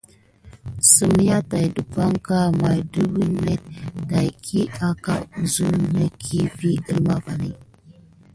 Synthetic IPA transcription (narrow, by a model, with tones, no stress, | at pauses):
sə˨m˦ja˦ta˨jdə˨pa˦ŋka˦ma˨jdə˦wi˦ne˦t̚ːa˨jkʰi˦a˦ka̰˦u˨zu˦nə˨kʰi˦vi˦ʔə˦lma˦va˨ni˨